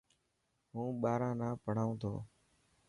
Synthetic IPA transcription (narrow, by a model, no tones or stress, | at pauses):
ɦũːɓaːɾãːnãːpəɳ̤aːũːt̪ʰo̰ː